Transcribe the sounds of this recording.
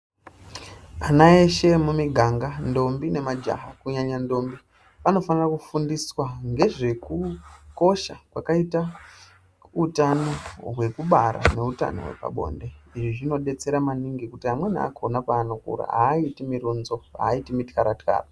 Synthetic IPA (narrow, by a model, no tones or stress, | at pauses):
anae̞ʃe̞mumiɡʱaŋɡando̞mbine̞mad͡ʒa̰ɦakuɲaɲando̞mbi | pano̞fanirakufundiswaŋɡe̞ʐe̞kuko̞ʃakwakaita | utano̞ɦwe̞kuɓaɾa̰ne̞uta̰no̞̰ɦwe̞̰pa̰ɓo̞̰nde̞iʐiʐino̞ɗe̞t͡se̞ɾamaniŋɡikutiɦamwe̞na̰konapaːno̞kṵɾa̰ɦaːitimiɾunzo̞a̰ːitimitkaɾatka̰ːra